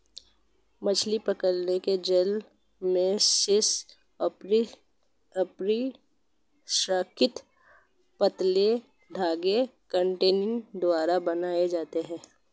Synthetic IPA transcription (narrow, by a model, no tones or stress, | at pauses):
mɐt͡ʃʰlipəkəɾneked͡ʒəl | mẽsʃɪs | pɾi | saːkʰɪt̪ | pət̪le | ɖʱaːɡekə̃ɳʈeːnɪ̃ŋd̪ʋaːɾabɐnaːed͡ʒaːt̪eɦɛ̃ː